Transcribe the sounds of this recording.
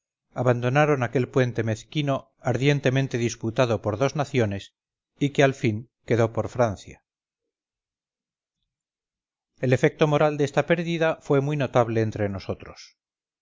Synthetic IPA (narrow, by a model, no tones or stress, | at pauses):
aβand̪o̞naɾo̞nake̞lpwe̞nt̪e̞me̞θkino̞ | aɾðje̞nt̪e̞ment̪e̞ðisput̪aðo̞po̞ɾðo̞znaθjo̞ne̞s | ikealfiŋ | ke̞ðo̞po̞ɾfɾanθja̰ | e̞le̞fek̚t̪o̞mo̞ɾald̪est̪ape̞ɾðiðafwe̞mujno̞t̪aβle̞ːnt̪ɾe̞no̞so̞t̪ɾos